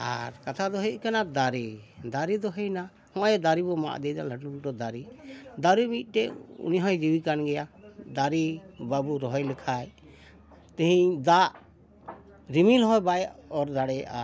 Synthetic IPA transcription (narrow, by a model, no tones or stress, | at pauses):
a̰ɾkat̪ʰad̪ɔɦɛˀkanad̪aɾid̪aɾid̪ɔɦɛjna | hɔ̃ajɛd̪aɾibɔma̰ʔd̪ɛd͡ʒaləʈuld̪ɔd̪aɾid̪aɾimit̪̚ˀʈɛṵniɦɔ̃jd͡ʒiwikanɡɛjad̪aɾibabuɾɔɦɔjlɛkʰaj | t̪ɛɦĩd̪aʔ | ɾimilɦɔjbajʔɔɾd̪aɽɛʔa